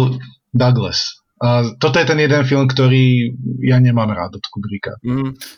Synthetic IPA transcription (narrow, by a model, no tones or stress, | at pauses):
d̪aɡlɛ̰s | t̪ɔt̪ɔjɛt̪ɛnjɛd̪ɛnfilˠmkt̪ɔɾiːjaɲɛmaːmɾa̰ːd̪ɔt̪kubɾika̰